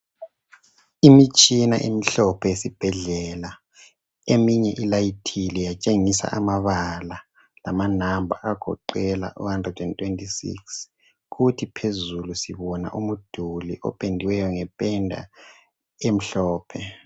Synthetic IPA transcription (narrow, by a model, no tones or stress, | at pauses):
imit͡ʃʼina̰ʔemiɬɔpʰɛjesib̥ʱɛɮɛːla | emiɲɛʔilajitʰilɛjat͡ʃʼeŋisa̰ʔamaβala | lamanambʱa̰ʔaɡ̥ʱɔ̰ǃɛla̰ʔṵhandrɛdɛntʰʼwentʰʼisḭks | ɣutʰipʰezulusiβɔna̰ʔumud̥ʱuliʔɔ̰pʼendʱiwɛjɔŋɛpʼɛndʱa̰ | em̩ɬɔːpʰɛ